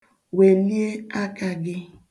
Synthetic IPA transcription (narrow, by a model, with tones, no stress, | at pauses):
we˨li˦e˦a˦ka˨ɡɪ˦